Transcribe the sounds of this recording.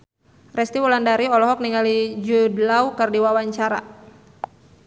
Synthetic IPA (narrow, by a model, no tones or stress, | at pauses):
rɛst̪iwulandaɾiɔlɔɦɔk̚niŋalid͡ʒudlawkərdiwawaɲt͡ʃaɾa̰